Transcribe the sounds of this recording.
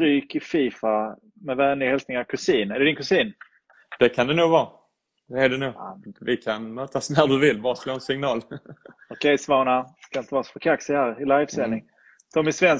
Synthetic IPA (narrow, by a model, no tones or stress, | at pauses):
ɾyːkɪfiːfa | mɛvæːnlɪɡhɛlsnɪŋaɾkʰɵsiːnɛɾɖɛd̪ɪŋkɵsiːn | d̪̥ɛkʰand̪ɛnuːɡvɑː | d̪ɛæɖɛnuːɡvɪkʰanmœːt̪asnæɾd̪ɵvɪlːbɑːɾasloːɛnsɪŋnɑːlɔkʰɛjsvɑːɳaskaɪnt̪əvɑːsɔ̥fœɾkʰaksɪhæːɾɪlajvsɛlnːɪŋ | d̪ʰɔmɪsvɛns